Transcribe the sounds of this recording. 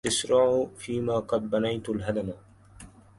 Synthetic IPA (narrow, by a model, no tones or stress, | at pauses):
ʔɪʃɾɑʕfiːmaːqɑd̪̚banajt̪alɦad̪ama